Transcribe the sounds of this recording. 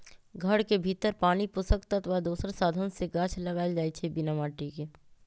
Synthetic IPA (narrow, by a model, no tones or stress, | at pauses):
ɡʱɐɽkebʱiːt̪əɾpaːnipʊsəkt̪ɐt̪ʋad̪uːsəɾsaːd̪ʱənseɡaːt͡ʃʰlɐɡaːld͡ʒaːit͡ʃʰebɪnamaːʈikeː